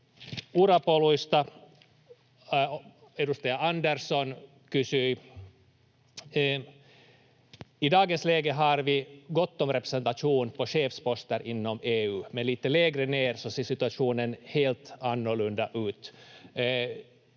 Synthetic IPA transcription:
uɾapolʊʏst̪a | ɛɾʊst̪eːaɑnd̪æɾsɔn | kʉsy | ɪd̪ɑːɡənsleːɡəɦɑɾvɪɡɔt̪ːɔmɾɛpɾɛsɛnt̪aʂuːnpʰɔɕeːfspɔst̪əɾʔɪnːɔmeːʉːmɛnliːt̪əleːɡɾəneːɾsɔseːʂɪt̪ʉaʂuːnənheːlt̪ɑnːɔɭɵnd̪aʔʉːt̪

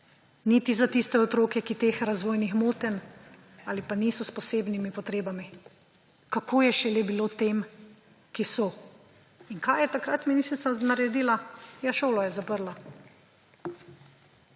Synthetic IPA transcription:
nit̪izat̪ist̪ɛɔt̪ɾoːkɛkit̪eːxɾazʋoːjnixmoːt̪ɛn | aːlipaniːsɔspɔseːbnimipɔt̪ɾeːbami | kakoːjɛʃɛlebilot̪eːm | kisɔ | iŋkajjɛt̪akɾat̪minist̪ɾit̪anaɾɛd̪iːlajaʃoːlɔjɛzapəɾla

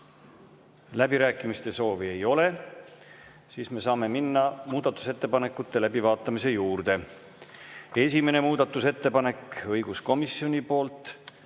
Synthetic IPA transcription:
læb̥iɾæːkːˑimist̪e̞so̞ːvie̞jo̞le̞ | siːsme̞sɑːme̞minːɑmuːd̪ɑt̪ːˑu̥se̞t̪ːepɑne̞kːˑut̪ːe̞læbivɑːt̪ːˑɑmise̞juːrd̪̥e̞ | e̞sʲime̞ne̞muːd̪̥ɑt̪ːˑuse̞t̪ːe̞pɑne̞kɤjɡ̥usko̞misːio̞nʲipo̞ːlt̪ˑ

